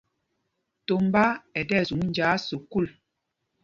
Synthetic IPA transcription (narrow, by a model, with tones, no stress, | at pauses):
to˨mba˦ɛ˨dɛ˦˨zu˨˦n˦d͡ʒaː˨˦so˨ku˦˨l